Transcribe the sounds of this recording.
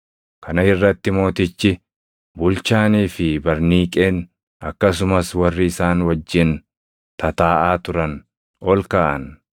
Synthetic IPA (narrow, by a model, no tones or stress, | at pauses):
kɐnɐɪrːɐt̪ːɪmo̞ːt̪ɪt͡ʃːɪ | bʊlt͡ʃaːniːfɪbɐɾniːkʼeːn | ɐkːɐs̬ʊmɐswɐrːɪɪsaːnwɐd͡ʒːɪn | t̪ʰɐt̪aːʔaːt̪ʊɾɐn | ɔlkaːʔɐ̰n